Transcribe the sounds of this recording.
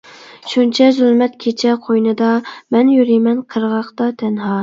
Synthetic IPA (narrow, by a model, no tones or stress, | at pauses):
ʃunt͡ʃʰɛzylˠmɛt̪kʲʰet͡ʃʰɛqʰojnɨd̪ɑmɛnjyɾimɛnqʰəɾʁɑqt̪ɑt̪ʰɛnɦɑː